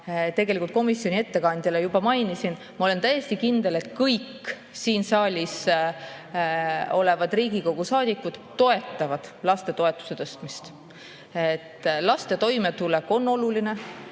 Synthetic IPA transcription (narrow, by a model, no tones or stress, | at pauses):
t̪e̞ɡe̞likult̪̚ko̞misjo̞nʲie̞t̪ːe̞kɑnʲd̪jɑlejub̥ɑmɑjnisin | mɑo̞le̞nt̪æje̞st̪ikind̪̥e̞let̪kɤjkː | siːnsɑːlʲis | o̞le̞vɑd̪riːɡiko̞ɡ̥usɑːd̪̥ʲikːˑud̪̥ːo̞e̞t̪ˑːɑvɑd̪̥lɑst̪e̞t̪o̞e̞t̪ːˑu̥se̞t̪ɤst̪mist̪ | et̪ːlɑst̪e̞t̪o̞jme̞t̪ulekːˑo̞nːo̞luline̞